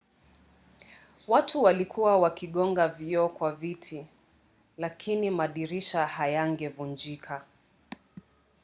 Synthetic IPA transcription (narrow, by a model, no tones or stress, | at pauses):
watʰuwalikʰuwawakiɠɔŋɡaviɔkwavitʰi | lakʰinimaɗiɾiʃahajaŋɡɛvund͡ʒikʰa